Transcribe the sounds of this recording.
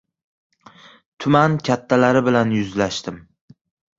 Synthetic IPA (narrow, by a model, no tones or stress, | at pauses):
t̪ʰʊmankʲʰat̪ʰːalaɾɪbɪlanjʊzlaʃt̪ɪm